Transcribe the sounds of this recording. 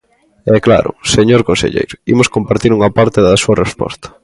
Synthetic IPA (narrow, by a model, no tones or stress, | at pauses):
ɛkla̰ɾʊ̰seɲoɾkõnsḛʎḛjɾʊḭmʊskompaɾt̪iɾuŋɐpaɾt̪eðɐsuɐrespɔ̰st̪ɐ̥